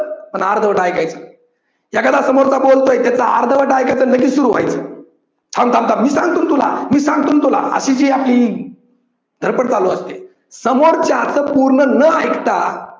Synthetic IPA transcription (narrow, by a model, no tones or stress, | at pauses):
pəɳaɾd̪ʱəʋəʈajkajt͡sə | jakəd̪asəmoɾt͡sabolt̪ojt̪jat͡saa̰ɾd̪əʋəʈajkajt͡sələɡiːt͡ssuɾuːʋ̤a̰jt͡səː | t̪ʰãnt̪ʰãmt̪amiːsãŋɡt̪uːnt̪ula̰miːsãŋɡ̚t̪uːnt̪ula̰ə̰ɕid͡ʑiːapli | d̪ʱəɾpəɽt͡saloəst̪e | səmoɾt͡ɕaat͡səpuɾɳənəajkt̪a